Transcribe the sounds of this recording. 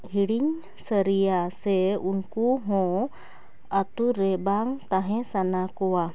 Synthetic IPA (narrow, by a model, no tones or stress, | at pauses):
hiɽiɲ | səɾijasɛunkuɦɔ̃ | at̪uɾɛbaŋt̪aɦɛ̃sanakɔwa